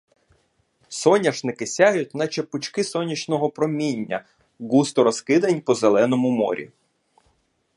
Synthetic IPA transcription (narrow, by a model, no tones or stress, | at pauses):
sɔnʲɐʃnɪkɪsʲaɦjʊt̚ʲnɐt͡ʃepʊt͡ʃkɪsɔnʲit͡ʃnɔɦɔpɾɔmʲinʲːɐ̰ | ɡust̪ɔɾɔskɪd̪ɐnʲpɔzelˠɛnɔmʊmɔ̰ɾʲḭ